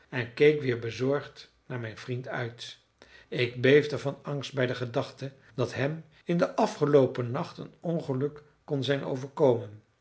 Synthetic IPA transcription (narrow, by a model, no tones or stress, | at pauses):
ɛnkejkʋɪːɹbəzɔɹχt | naːɹmɛjnvrintœ̰ɥt | ɪɡ̚bejfdəvɑnɑŋst̚bɛjdəχədɑχtə | d̥ɑtɦɛm | ɪndəʔɑfχəlowpənɑχtə̰nɔnχəlɵkː | ɔnzɛjnʔo̰wvəɹkowmən